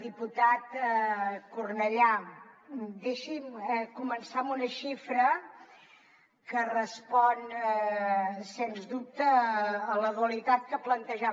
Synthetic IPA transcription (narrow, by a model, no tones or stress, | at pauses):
d̪iput̪at̪ | kurnəʎa | d̪eʃimkumənsamunəʃifɾə | kərəspɔn | senzd̪up̚t̪əːləðuəlit̪at̪̚kəplənt̪əʒa